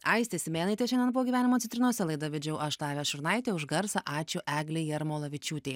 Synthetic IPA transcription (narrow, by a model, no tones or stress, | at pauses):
ɐɪsʲt̪ʲɛsʲɪmʲeːnɐɪt̪ʲeːʃʲɛndʲɛnpoːɡʲiːʋæːnʲɪmoːt̪sʲɛnt̪ʲɾʲɪnuɔːsʲɛlˠɐɪd̪ɐʋʲɛd͡ʒʲɛʊʔɐʃt̪ɑːʋʲɛʃʲʊɾnɐɪt̪ʲeːʊʒɡɐɾsɐʔɑːt͡ʃʲʊʔæːɡlʲejɛɾmoːlˠɐʋʲɪt͡ʃʲuːt̪ʲeː